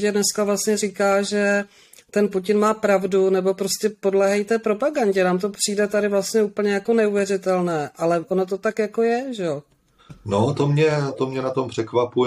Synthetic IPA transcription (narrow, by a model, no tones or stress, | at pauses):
cɛdnɛskavlastɲɛriːkaːʒɛ | t̪ɛnpucɪnmaːpɾavdunɛbo̞pɾo̞scɛpo̞dlɛːɦajt̪ɛːpɾo̞paɡaɲɟɛnaːmt̪o̞pr̝̥iːdɛt̪adɪvlast̪ɲɛuːpl̩ɲɛjako̞nɛuvjɛrɪt̪ɛlnɛːʔalɛʔo̞not̪o̞t̪akjako̞jɛʒɛo | not̪omɲɛt̪omɲɛnat̪ompr̝̥ɛkvapuj